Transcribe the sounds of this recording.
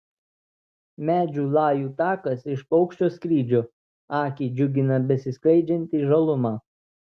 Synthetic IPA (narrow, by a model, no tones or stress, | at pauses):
mʲæːd͡ʒʲuːlˠɑːjuːt̪ɑːkɐsɪʃpɒʊkʃʲt͡ʃʲoːskɾʲiːd͡ʒʲoː | ɑːkʲiːd͡ʒʲʊɡʲɪnɐbʲɛsʲɪsklʲˠɐɪd͡ʒʲɛnʲt̪ʲiːʒɐlˠʊmɑː